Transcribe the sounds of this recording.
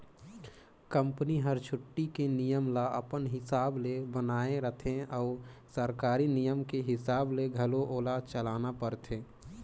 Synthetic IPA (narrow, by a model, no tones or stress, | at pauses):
kə̃mpniɦəɾt͡ʃʰʊʈːikenijəmlaʔə̰pənɦɪsaːblebənaːẽɾət̪ʰẽɔːʊsəɾkaːɾinijəmkeɦɪsaːbleɡʱəloʔoːlaːd̪̚t͡ʃəlaːnapəɾt̪ʰẽː